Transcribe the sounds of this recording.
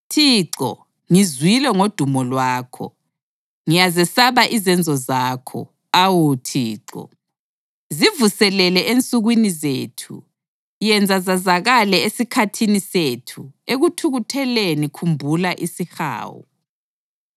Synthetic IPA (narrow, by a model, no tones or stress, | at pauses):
tʰiːǀɔ̰ | ŋizwilɛŋod̥ʱumɔlwaːkʰɔ̰ | ŋijazɛsaβaʔizɛnd͡zʱɔzaːkʰɔ̰ | awutʰiːǀɔ̰ | zivusɛlɛlɛʔent͡sʼuɣwinizeːtʰṵ | jɛnd͡zʱazazaɣalɛesikʰatʰinisetʰueɣutʰuɣutʰɛlenikʰumbʱulaʔisixa̰ːwɔ̰